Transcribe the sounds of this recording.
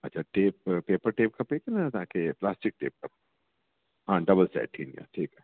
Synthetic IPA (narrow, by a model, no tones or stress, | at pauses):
ɐtːʃʰaʈeːp̚peːpəɾʈeːpkʰɐpekenaat̪akeplaːsʈɪk̚ʈḛːp̚kɐp̚ | ɦãːɖɐbəlsɛ̰ːʈʰḭːnija̰ʈʰiːkɛː